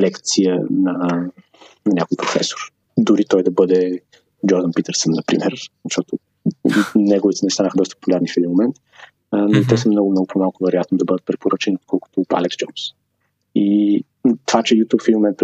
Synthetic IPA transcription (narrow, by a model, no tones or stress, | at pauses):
lɛkt̪sijə̰nɐ | nɐnʲakʊjpɾofɛ̰sʊ̥ɾ | d̪ʊɾit̪ɔjd̪ɐbɤd̪ɛ | d͡ʒɔɾd̪ənpit̪ɛɾsənːɐpɾḭmɛɾzɐʃt̪ɔt̪ʊ | nɛɡʊvit̪ɛnɛst̪anəxəd̪ɔst̪ə̥po̥pulʲaɾnifɛd̪inmomɛnt̪ | noit̪ɛsəmnɔɡʊmnɔɡʊpʰomalˠkʊvɛɾojat̪nod̪ɐbɤd̪ət̪̚pɾɛpoɾət͡ʃɛniot̪̚kɔlˠkʊ̥t̪ʊa̰lɛksd͡ʒɔms | i | t̪ovat͡ʃɛjut̪ʲupfɛd̪imomɛnt̪p